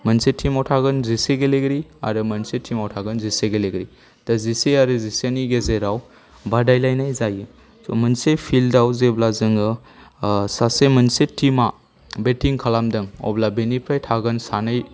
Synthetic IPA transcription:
mɐnsetʰːimawtʰaɡɯnziseɡeleɡɾia̰ɾɯmɐnsetʰːimawtʰaɡɯnziseɡeleɡɾi | taziseaɾɯzisaniɡezeɾaw | badajlajnajzajɯ | somənsepʰildawzeblazɯŋɯ | sasemɐnsetʰima | betiŋkʰalamdɯŋɔ̰blabenipʰɾajtʰaɡɯnsanɯj

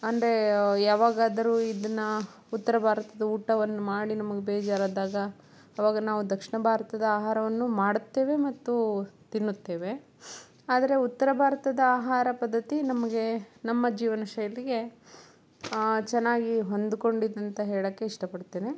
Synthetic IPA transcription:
ɐnd̪ɐɾe̞jaːʋaːɡaːd̪ɐɾuːid̪ɐnːɐ | ut̪ːɐɾɐbʱaːɾɐt̪ɐd̪ɐuːʈɐʋɐnːumaːɽinɐmɐɡe̞bɛːd͡ʒaːɾaːd̪aːɡɐː | ʋaːɡɐnaːʋud̪ɐkʂɐɳɐbʱaːɾɐt̪ɐd̪ɐaːɦaːɾɐʋɐnːumaːɽut̪ːe̞ːʋe̞mɐt̪ːut̪inːut̪ːeːʋe̞ | aːd̪ɐɾe̞ut̪ːɐɾɐbʱaːɾɐt̪ɐd̪ɐaːɦaːɾɐpɐd̪ːɐt̪inɐmɐɡe̞nɐmːɐd͡ʒiːʋɐnɐʃɐjɐliɡe̞ | t͡ʃɛnːaːɡiɦo̞nd̪uko̞ɳɖid̪ɐnt̪ɐɦeːɭɐːkːe̞iʂʈɐpɐɽt̪eːni

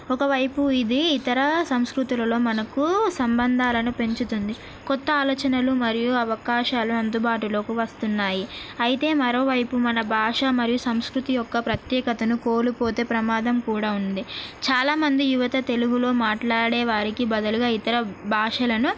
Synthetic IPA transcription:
ɔkɐʋɐjpuid̪iːt̪ɐɾɐsɐmskɾut̪ilɐlo̞ːmɐnɐkusɐmbɐnd̪ʱaːlɐnupe̞ɲt͡ʃut̪und̪i | kɔt̪ːɐaːlɔːt͡ʃɐnɐlumɐɾijuɐʋɐkaːʃaːluɐnd̪ubaːʈulo̞ːkuʋɐst̪unːaːjiɐjit̪e̞ːmɐɾo̞ːʋɐjpumɐnɐbʱaːʂɐmɐɾijusɐmskɾut̪ijɔkːɐpɾɐt̪jɛːkɐt̪ɐnuko̞ːlupo̞ːt̪e̞ːpɾɐmaːd̪ʱɐmkuːɽaːund̪it͡ʃaːlaːmɐnd̪ijuʋɐt̪ɐt̪e̞luɡulo̞ːmaːʈlaːɽɛːʋaːɾikibɐd̪ɐluɡaːit̪ɐɾɐbʱaːʂɐlɐnu

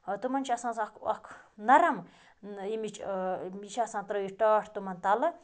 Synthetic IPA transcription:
t̪umɐnt͡ʃʰasãːsakʰɐkʰnɐɾɐm | imit͡ʃʰmiʃʰasãːt̪ɾəiʈaːʈʰt̪umɐnt̪alɨ

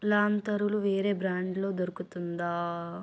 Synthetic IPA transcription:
laːnt̪ɐɾuluʋeːɾe̞ːbɾaːɳɖlo̞ːd̪oɾukut̪und̪aː

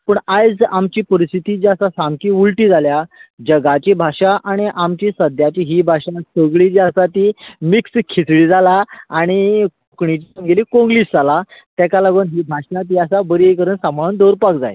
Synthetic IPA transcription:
pəɳajd͡zamt͡ɕiːpəɾist̪ʰit̪id͡ʑiasasamkiːuɭʈiːd͡zʱaljad͡ʑəɡat͡ɕibʱaʂaʔaɽ̃iʔamt͡ɕiːsəd̪ʱjat͡ɕiɦiːbʱaʂasəɡɭid͡ʑiasat̪iːmikskʰit͡sɽiːd͡zalaaɽ̃ikokɳit͡ɕisəmɡeliːkõŋɡliːsd͡zalat̪akalaɡuːnɦiːbʱaʂãt̪̬iːasabəɾiejkəɾəːnsãmbʱaɭuːnd̪oɾpakd͡za̰j

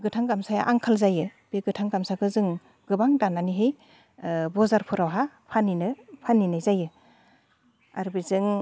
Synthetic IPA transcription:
bɡɯtʰaŋɡamsajaʔaŋkʰalzajɯb̥eɡɯtʰaŋɡamsakʰɯzɯŋ | ɡɯbaŋdananiɦɯj | bɔzaɾpʰɯɾawɦa | pʰaninɯpʰaninajzajɯ | a̰ɾbizɯŋ

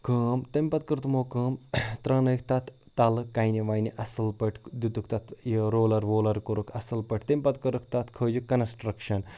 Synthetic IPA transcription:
kʰəːmt̪ɐmʲpɐt̪̚kɐɾt̪moːkəːmt̪ɾɐ̃ːnɐkʰt̪ɐt̪ʰːɐlɨkːɐjniʋɐːjniʔɐsɨlpɐʈʰd̪ut̪ukʰt̪ɐt̪ʰjəɾoːlɐɾʋoːlɐɾkoɾukʰɐsɨlpɐʈʰt̪ɐmʲpɐt̪kɐɾɨkʰt̪ɐt̪ʰkʰəːd͡ʒikɐnsʈɾɐkʃɐn

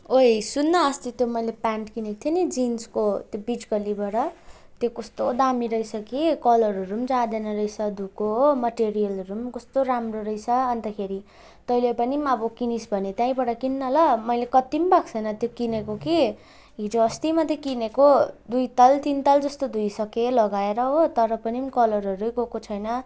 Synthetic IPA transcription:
oesunːʌːst̪it̪jomʌjlepaɳʈkinekt̪ʰjenid͡zinskot̪jobid͡zɡʌlibʌɽʌt̪jokʌst̪od̪amiɾʌijt͡sʰʌkikʌlʌɾʌɾumd͡zad̪enʌɾʌjt͡sʰʌd̪ukomʌʈeɾijʌlʌɾumkʌst̪oɾamroɾʌjt͡sʰʌːnt̪akʰeɾi | t̪ʌilepʌnimʌbokinisbʱʌnet̪jãĩbʌɽʌkinːʌlʌmʌjlekʌt̪imbakt͡sʰʌjnʌt̪jokinekoki | ɦid͡zoʌst̪imʌt̪ekinekod̪ujt̪ʌlt̪int̪ʌld͡zʌst̪od̪ʱujsʌkelʌɡaeɾʌɦot̪ʌɾʌpʌnimkʌlʌɾʌɾukokot͡sʰʌjnʌ

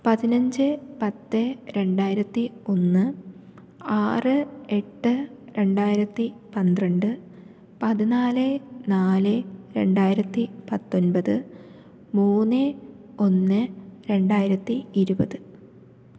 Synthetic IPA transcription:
pɐðinɐɲd͡ʑɨpɐt̪ːɨɾe̞ɳɖaːjiɾɐt̪ːio̞nːɨ | aːrɨe̞ʈːɨɾe̞ɳɖaːjiɾɐt̪ːipɐnd̪rɐɳɖɨ | pɐðinaːlɨnaːlɨɾe̞ɳɖaːjiɾɐt̪ːipɐt̪ːo̞nbɐðɨ | muːnːɨo̞nːɨɾe̞ɳɖaːjiɾɐt̪ːiiɾubɐðɨ

